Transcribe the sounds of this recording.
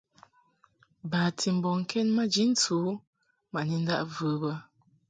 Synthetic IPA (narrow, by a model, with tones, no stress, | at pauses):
baː˨tʰi˨m̩˨bɔ˨ŋ̩˨kʰɛ˦nma˦d͡ʒi˦n̩˦t͡su˨˦ | ma˨ni˦n̩˦da̰˦ʔvɨː˨˦bə˦